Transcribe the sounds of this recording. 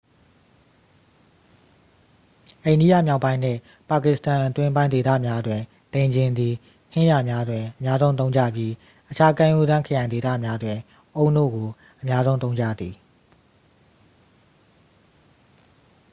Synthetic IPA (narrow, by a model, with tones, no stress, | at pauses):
ʔẽ˨ndi˦ja̰˦˨mja˦ʊpːã˦ɪ̃n̥ɪ̰̃˦˨ | pa˨kɪ˦˨stã˨ʔət̪wɪ̃˦mbã˦ɪ̃de˨t̪̬ä̰˦˨mja˦dwɪ̃˨ | t̪ẽ˨ɪ̃ɲd͡ʑɪ̃˨nd̪i˨ | hɪ̃˦ja˨mja˦dwɪ̃˨ʔə˨mja˦zõ˦ʊ̃t̪õ˦ʊ̃ɲd͡ʑa̰˦˨pji˦ | ʔət͡ɕʰa˦kã˦ju˦d̪ã˦ŋkʰə˨jã˨ɪ̃nd̪e˨t̪ä̰˦˨mja˦dwɪ̃˨ | ʔõ˦ʊ̃no̰˦˨ɡo˨ | ʔə˨mja˦zõ˦ʊ̃t̪õ˦ʊ̃ɲd͡ʑa̰˦˨d̪ði˨